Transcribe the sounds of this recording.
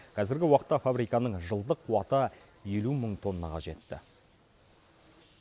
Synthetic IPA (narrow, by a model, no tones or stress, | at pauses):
qʰɑzɪɾɡʲɪwɑqə̥t̪ːɑfabɾijkɑnəɴʒəlˠd̪əqʰːuwɑt̪ə | je̞luməɴt̪ʰo̞nːɑ̰qɑ̰ʒe̞t̪ːɪ̰